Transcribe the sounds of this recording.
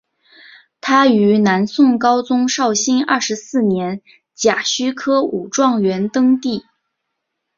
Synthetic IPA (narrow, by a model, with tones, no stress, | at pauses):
t̪ʰa˥y˧˥na˧˥nsʊ˥˩ŋkɑ˥ʊt͡sʊ˥ŋʂɑ˥˩ʊɕi˥nɐ̰˥˩ʂɻ̩˧˥sɹ̩˥˩njɛ˧˥n | t͡ɕja˨˩ɕy˥kʰɤ˥ṵ˨˩ʈ͡ʂwɑ˥˩ŋɥɛ˧˥nt̪ɤ˥ŋt̪i˥˩